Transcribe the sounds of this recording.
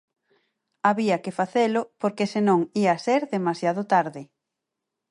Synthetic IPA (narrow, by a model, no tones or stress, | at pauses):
aβiɐkefaθelʊpoɾkesenõŋiaseɾðemasjaðʊt̪aɾðɪ